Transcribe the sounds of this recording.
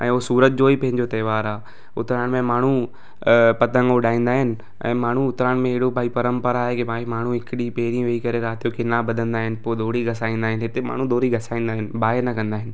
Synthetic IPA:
ɛ̃ːoɦsuːɾət̪̚d͡ʑoːipɐ̃ɦɪ̃ɲd͡ʑot̪ɐːʋaːɾaː | ʊt̪ɾaːɽ̃mẽmaːɳ̤u | pɐt̪ə̃ŋɡoɗaːĩːn̆d̪aːɦɪnɪ̆ | ɛ̰̃ːmaːɳ̤ũʊt̪ɾaːɽ̃mẽɪɦɽobʱaːipɐɾə̃mpəɾaɦekibaːimaːɳ̤ũɦɪkɪɗipeːɾĩʋeikɐɾeɾaːt̪ʰijokʰɪnabɐd̪ʱə̃nd̪aːɦɪnɪ̆poːd̪oːɽiɡʱɐsaːĩːn̆d̪aːɦɪnɦɪt̪ema̰ːɳ̤ũd̪oːɾiɡʱɐsaːĩːnd̪aːɦɪnɪ̆baːnɐkɐ̃nd̪aːɦɪnɪ̆

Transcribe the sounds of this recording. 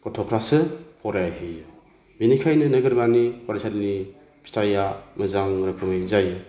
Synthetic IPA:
kɔtʰɔpʰɾasɯpʰɔɾajaɦijɯ | binikʰajnɯnɐɡɯɾbanikaɾasʰatni | pʰi̥stʰajamɯzaŋɾakʰɯŋɯjzajɯ

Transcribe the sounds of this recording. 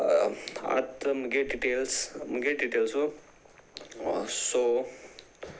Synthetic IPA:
a̰t̪məɡeɖiʈelsməɡeɖiʈelsu | so

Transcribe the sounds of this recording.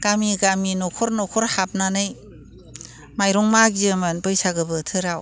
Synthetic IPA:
ɡ̥amiɡaminɔkʰɔɾnɔkʰɔɾhap̚nanɯj | majɾɔŋmaɡiɯmɯnbɯjsaɡɯbɯtʰɯɾaw

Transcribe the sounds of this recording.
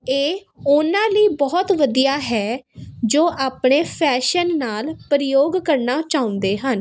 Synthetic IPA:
eː | ʊnãːləiːbɔːt̪ʋəd̪ijaːɦɛːd͡ʒoːʔaːpɳeːpʰɛːʃənːaːlpɾəjoːɡkəɾnaːt͡ʃaːʊ̃nd̪eːɦən

